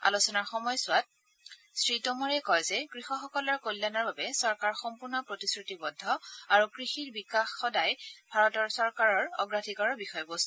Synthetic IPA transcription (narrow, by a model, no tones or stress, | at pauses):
a̰lusɔnaɹxɔmɔjsʊwat̚ | sɹitomɔɹɛkɔjzɛkɹixɔxɔkɔlɔɹkojlːanɔɹbabɛsɔɹkaɹxɔmpuɹnɔpɹotisɹitibɔdʱːɔaɹukɹixiɹbikaxːɔdajbʱaɹɔtɔɹsɔɹkaɹɔɹɔ̰ɡɹatʰikɔɹɔbixɔjɔɡost